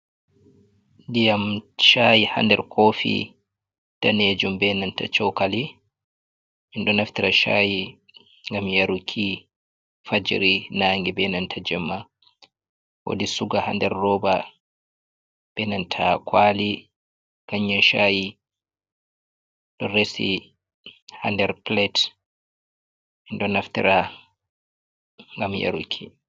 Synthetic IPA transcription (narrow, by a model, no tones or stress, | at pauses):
dijamʃaːjiha̰ndɛ̰ɾkʰoːfḭ | taneːd͡ʒumbɛnanta̰t͡ʃɔwkali | minɗɔnaftiɾaʃa̰ji | ŋɡamjaɾukʰi | fad͡ʒɾinaːŋɡɛbɛnantʰad͡ʒɛmːa | wo̰disuɡaha̰ndɛɾːɔːba | b̥ɛnantʰakʰwali | kaɲːɔʃaji | ɗɔɾesḭ | handɛɾplɛt | minɗɔnaftḭɾa | ŋɡamja̰ɾukʰi